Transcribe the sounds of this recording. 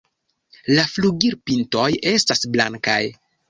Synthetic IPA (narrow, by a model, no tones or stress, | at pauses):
lafluɡiɾpinto̞je̞stasblaŋka̰j